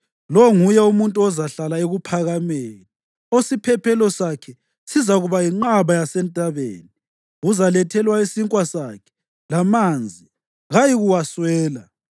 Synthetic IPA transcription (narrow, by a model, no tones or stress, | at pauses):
lɔŋujɛumuntʼuɔzaɬalaeɣupʰaɣameni | osipʰɛpʰɛlɔsakʰɛ | sizaɣuβajiŋ͡ǃaβajasɛntʼaβḛːni | uzalɛtʰɛlwaisiŋkʼwasakʰɛ̥ | lamand͡zʱi | ɣajiɣuwaswɛːla